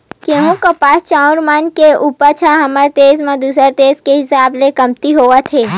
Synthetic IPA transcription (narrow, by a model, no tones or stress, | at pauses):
keɦũkəpaːst͡ʃaʊ̃ɾmankeʔupət͡ʃʰaɦəməɾt̪eːzmãd̪usəɾt̪eːzkeɦɪsaːblekəmt̪iɦoʋat̪ʰeː